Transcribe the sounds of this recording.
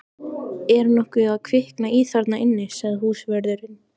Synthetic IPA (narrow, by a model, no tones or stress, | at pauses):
ɛɾnɔhkʏaðkʰvɪhknaiːθaɾt̪naɪnːɪsɛɣðɦuːsvɛɾðʏɾɪn